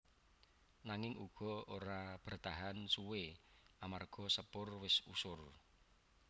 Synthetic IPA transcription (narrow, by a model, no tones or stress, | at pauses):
naŋɪŋʔuɡ̥ɔ̤oɾab̥ərt̪aɦansuweamarɡ̥ɔ̤səpʊrwɪsṵsʊr